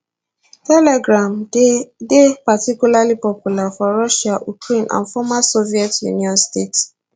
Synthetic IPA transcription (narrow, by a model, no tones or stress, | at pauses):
tɛlɛɡɹãmdepatikjulalipɔpjulafɔɹɔʃaʔukɹẽnʔã̰nfɔmasoviɛtjṵniɔ̃nstets